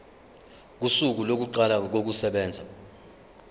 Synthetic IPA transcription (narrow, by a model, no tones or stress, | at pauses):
k̬usuk̬ulok̬uǃalak̬ok̬usɛɓɛːnd͡zʱa